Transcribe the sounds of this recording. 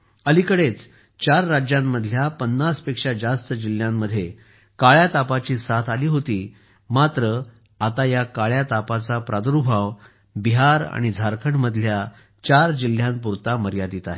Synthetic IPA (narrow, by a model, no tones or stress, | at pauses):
əlikəɽet͡s | t͡ɕaɾːad͡ʑjamːəd̪ʱljapənːaspekʂad͡zast̪əd͡ʑil̤jamːəd̪ʱːje | kaɭjat̪apat͡ɕiːsat̪ʰaliːɦot̪iː | mat̪ɾə | at̪ajakaɭjat̪apat͡sapɾʔad̪ɾubʱaʋ | biɦaɾa̰ɽ̃id͡zʱaɾkʰəɳməd̪ʱlja | t͡ɕaɾd͡ʑil̤jãmpuɾt̪aməɾjad̪it̪aɦe